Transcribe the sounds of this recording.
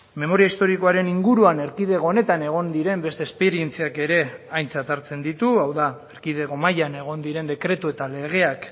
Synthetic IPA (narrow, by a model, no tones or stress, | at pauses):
me̞mo̞ɾiaist̪o̞ɾiko̞aɾe̞niŋɡuɾuane̞ɾkið̞eɣo̞one̞t̪ane̞ɣ̞o̞nd̪iɾe̞mbe̞st̪espe̞ɾie̞nt͡siake̞ɾe̞ajnt͡sat̪aɾt͡se̞nd̪it̪uawðaeɾkið̞e̞ɣo̞majane̞ɣ̞o̞nd̪iɾe̞nd̪e̞kɾe̞t̪ue̞t̪ale̞ɣ̞e̞ak